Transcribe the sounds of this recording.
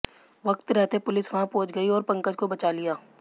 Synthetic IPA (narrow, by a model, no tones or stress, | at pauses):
ʋɐkt̪ɾɛɦt̪epʊlɪsʋɐɦãpõːt͡ʃɡɐiɔːɾpɐ̃ŋkəd͡ʒkobɐt͡ʃaːlɪjaː